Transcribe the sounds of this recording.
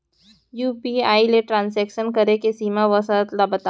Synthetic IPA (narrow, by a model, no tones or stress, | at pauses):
juːpiaːileʈɾãːnsɛːkʃənkəɾekesiːmaʋəsat̪labət̪a